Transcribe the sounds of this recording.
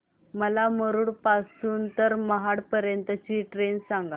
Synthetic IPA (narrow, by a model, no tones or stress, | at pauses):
məlaməɾuɽpasuːnt̪əɾməɦaɽpəɾjənt̪ət͡ɕiːʈɾensaŋɡa